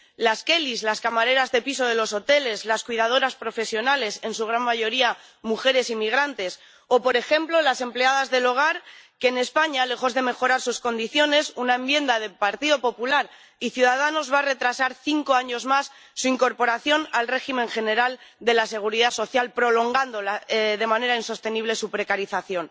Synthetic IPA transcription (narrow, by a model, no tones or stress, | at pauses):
laske̞lizlaskamaɾe̞ɾazðe̞piso̞ðe̞lo̞so̞t̪e̞le̞slaskwiðað̞o̞ɾaspɾo̞fe̞sjo̞nale̞se̞nsuɣ̞ɾanmaʝo̞ɾia | muxe̞ɾe̞simiɣ̞ɾant̪e̞s | o̞po̞ɾe̞xe̞mplo̞lase̞mple̞aðazðe̞lo̞ɣ̞aɾke̞ːne̞spaɲale̞xo̞zðe̞me̞xo̞ɾaɾsusko̞nd̪iθjo̞ne̞sunaembje̞nd̪aðe̞paɾt̪iðo̞po̞pulaɾ | iθjuðaðano̞zβare̞t̪ɾasaɾθiŋko̞aɲo̞zmasː | uiŋko̞ɾpo̞ɾaθjo̞nalre̞ximẽ̞ŋxe̞ne̞ɾald̪e̞lase̞ɣ̞uɾiðaso̞θjalpɾo̞lo̞ŋɡand̪o̞laðe̞mane̞ɾainso̞st̪e̞niβ̞le̞supɾe̞kaɾiθaθjo̞n